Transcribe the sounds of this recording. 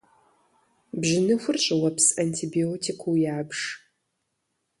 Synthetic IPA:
bʑɪnɨxʷʊrɕʼɪwɐpsɐntʰiːbioːtʰikʷʰuːjaːbʂ

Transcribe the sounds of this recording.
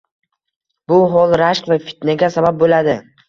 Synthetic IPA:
bʊɦɒlˠɾaʃqvafɪ̥t̪naɡʲasabap̚bolad̪ɪ

